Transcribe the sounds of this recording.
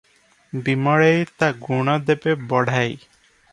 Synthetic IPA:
bimɔɭejt̪aɡuɽ̃ɔd̪epebɔɽ̤ʱaj

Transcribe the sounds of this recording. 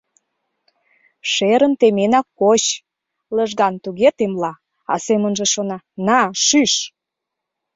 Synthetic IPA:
ʃeɾə̆nt̪emenɑkːoɕ | ləʒɣɑnt̪uɣet̪emlɑ | ɑ̰semə̆nʒĕʃonɑ | nɑʃyʃ

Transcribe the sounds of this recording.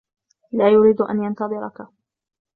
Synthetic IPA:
laːjʊɾiːd̪ʔa̰njant̪ɑðˤɨɾɑka

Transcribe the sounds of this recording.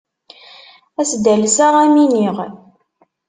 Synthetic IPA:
æsd̪ælsaʁæminiʁ

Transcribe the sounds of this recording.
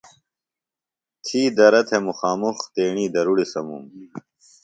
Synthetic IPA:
t̪ʰiːd̪ɐɾɐt̪ʰemuxaːmuxt̪eːɳiːd̪ɐɾuɽisɐmṵm

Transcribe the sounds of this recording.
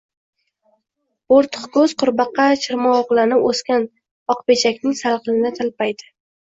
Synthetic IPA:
boɾt̪ʰʊ̥χkʰɵzqʊɾbɑqːɑt͡ʃʰɪɾmɒːʁlˠanɪoskʲan | ɒqpet͡ʃʰakʲnɪŋsalˠqɨlɪnɪt̪ʰɪlpajd̪ɪ̥

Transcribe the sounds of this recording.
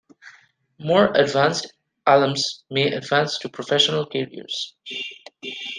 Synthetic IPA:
mɔːɹədvæ̃nst | ʔælə̃mzmeːʔə̰dvæ̃nstʰupʰɹɔfɛʃənəlkɛɹḭə̰ɹz̥

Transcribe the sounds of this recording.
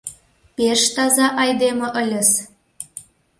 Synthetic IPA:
peʃt̪ɑzɑʔɑjd̪emə̆ʔə̆lʲə̆s

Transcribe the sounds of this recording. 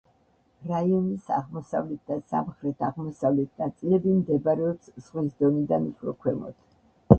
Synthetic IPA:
ɾaiɔnisa̰ʁmɔsavlɛt̪̚ʰd̪asa̰mχɾɛt̪ʰaʁmɔsavlɛt̪ʰnat̪sʼilɛbimd̪ɛbaɾɛɔpsz̥ʁwisd̪ɔnid̪anupʰɾɔkʰwɛmɔ̰t̪ʰ

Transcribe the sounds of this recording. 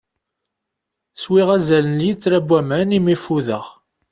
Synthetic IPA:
swiʁæzælənjit͡sːɾæbːæmænimifuðə̰ʁ

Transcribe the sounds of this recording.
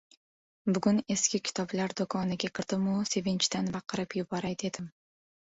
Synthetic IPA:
bʊɡʊne̞skʲɪkʲʰɪ̥t̪ʰɒblaɾd̪okʰɒnɪɡʲakʲʰɪɾd̪̥ɪmʊse̞vɪnt͡ʃt̪anbɑqʰːɨɾɪpjʊbɒɾajd̪e̞d̪ɪm

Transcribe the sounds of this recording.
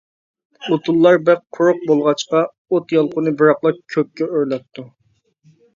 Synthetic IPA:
ot̪ʰulˠːɑɾbæqqʰːʊɾʊq̚bolˠʁɑt͡ʃqɑ | ot̪jɑlˠqʊnɨbɨɾɑqlˠɑkʲʰøp̚kʲɛøɾlɛt̪ʰːu

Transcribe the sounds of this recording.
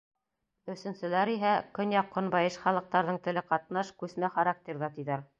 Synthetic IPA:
ɵ̆sɘ̆nsɘ̆læɾiɦækɵnjɑqːŏnbɑjɤʃχɑlˠɤ̆q̚t̪ɑɾðɤɴt̪ɘ̆lɘqɑt̪nɑʃkʉsmæχɑɾɑk̚t̪ʲeɾðɑt̪iðæɾ

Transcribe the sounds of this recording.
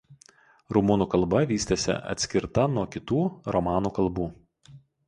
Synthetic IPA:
ɾʊmuːnuːkɐlˠbɐʋʲiːsʲt̪ʲesʲɛ̰ʔɐ̰t̪ʲsʲkʲɪɾt̪ɐnuɔkʲɪt̪uːɾɔmɑːnuːkɐlˠbuː

